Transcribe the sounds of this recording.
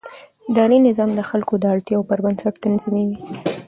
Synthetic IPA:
d̪ɑɾinɪzɑmd̪əxalkod̪əaɽt̪jɑwpəɾbansaʈt̪anzimewi

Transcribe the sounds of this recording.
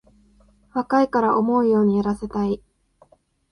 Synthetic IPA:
βakaikaɾaʔo̞mo̞ɯ̟jo̞ːɲ̟ijaɾase̞t̪ai

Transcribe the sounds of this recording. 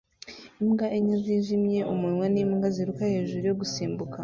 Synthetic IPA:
imɡaʔeɲaziːʒimje̞ʔumuwanimɡaziɾukahe̞ːʒuɾujoɡusiːmbuka

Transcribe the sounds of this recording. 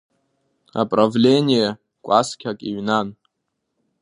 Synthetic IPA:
a̰pʼravlʲenʲije | kʷʼaskʲʰakʼiɥnan

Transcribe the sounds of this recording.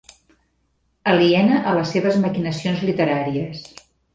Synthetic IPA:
əliɛnəʔələsːeβəzməkinəsionzlit̪əɾaɾiəs

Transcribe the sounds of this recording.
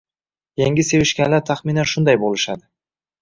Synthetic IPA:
jaŋɡʲɪse̞vɪʃkʲanlaɾt̪ʰaχminanʃʊnd̪ajbolˠɪʃad̪ɪ

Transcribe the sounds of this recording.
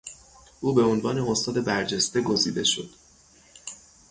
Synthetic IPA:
ʔuːbe̞o̞nvɒːneost̪ɒːd̪e̞bæɾd͡ʒe̞st̪e̞ɡo̞zḭːd̪e̞ʃo̞̰d̪̥

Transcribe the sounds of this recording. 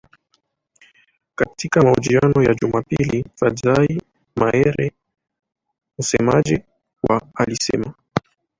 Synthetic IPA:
katikamaud͡ʒianɔjaʄumapilifazai | maɛɾɛ | m̩sɛmad͡ʒi | waalisɛ̰ma

